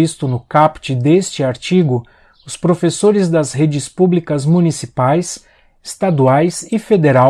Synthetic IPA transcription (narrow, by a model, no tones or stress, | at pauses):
ist̪ʊnʊkapt͡ʃɪd̪est͡ʃɪaɾt͡ʃiɡʊ | ʊspɾofesoɾɪzd̪ɐzɦed͡ʒɪspublikɐzmũnisipajs | ɪst̪ad̪uajsɪfed̪eɾa